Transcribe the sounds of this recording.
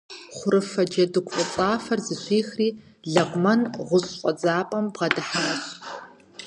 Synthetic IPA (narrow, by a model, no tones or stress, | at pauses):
χʷʊɾɨfɐd͡ʒɐdɨkʷʰʼfʼɐt͡sʼaːfɐrzɨɕʷiːxriː | ɮɐʁʷmɐnʁʷʊɕʼqʷʼɔd͡zaːpʼɐmbʁɐdɨħaɐɕ